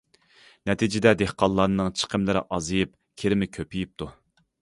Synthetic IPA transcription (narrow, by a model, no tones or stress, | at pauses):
nɛt̪ʰid͡ʒɪd̪ɛd̪ehqʰɑlˠlːˠɑnɨŋt͡ʃʰə̥qʰəmlɪɾɪ̰ʔɑzɨjɨp̚ | kʲʰeɾɪmɪkʲʰøpʰijip̚t̪ʰu